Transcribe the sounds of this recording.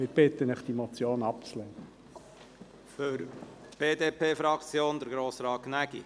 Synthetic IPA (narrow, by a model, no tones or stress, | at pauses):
ɪb̥ɪtənɪχd̥imot͡sjoːnɑp̚t͡slɛnə | fʏɾ | b̥eːdeːpʰeːfɾɑkt͡sjoːnd̪əɾɡɾoːsɾɑːt̚knæɡḭ